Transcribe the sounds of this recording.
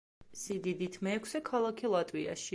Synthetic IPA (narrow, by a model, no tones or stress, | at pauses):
sid̪id̪it̪ʰmɛːkʰsɛkʰalˠakʰilˠat̪ʼwia̰ʃi